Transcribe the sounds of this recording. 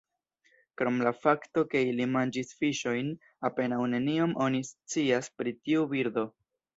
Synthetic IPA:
kɾo̞mlafakto̞ke̞ilimand͡ʒisfiʃo̞jn | ape̞nawne̞niomʔo̞nist͡siaspɾitiubiɾd̪o̞

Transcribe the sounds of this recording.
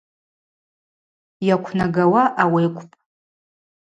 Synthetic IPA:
jakʷʰnaɡawaʔawejkʷʰʼpʼ

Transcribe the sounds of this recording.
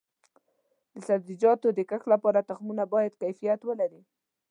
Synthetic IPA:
d̪əsad̪ɾid͡ʒɑt̪od̪əkaxlapɑɾat̪axmunabɑjad̪kajfijat̪wəlaɾi

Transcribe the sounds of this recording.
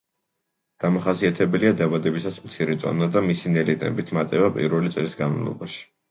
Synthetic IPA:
ɡ̥amaχasiat̪ʰɛbɛliad̪avad̪ɛbisasmt̪sʰiɾɛt̪sʼɔ̰nad̪amisinɛlit̪ʼɛ̰bit̪ʰmat̪ʼɛbapʼḭɾvɛlit̪sʼlisɡanma̰lˠɔ̰baʃi̥

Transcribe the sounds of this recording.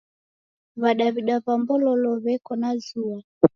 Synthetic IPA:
βaɗaβiɗaβambɔlɔlɔβɛkɔnazua

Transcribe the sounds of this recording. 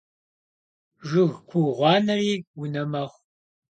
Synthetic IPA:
ʒʷʊɣkʷʰuʁʷɑːnɐriːwʊnɐmɐχʷ

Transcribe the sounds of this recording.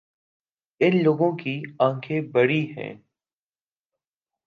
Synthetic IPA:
ɪnloːɡõkiãːkʰẽbəɽiɦɛ̰̃ː

